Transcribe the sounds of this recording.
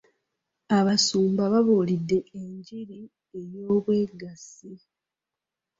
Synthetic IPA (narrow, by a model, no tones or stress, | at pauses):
aβasuːmbaβaβuːlidːe̞ʔeɲɟiɾi | e̞joːβwe̞ːɡasi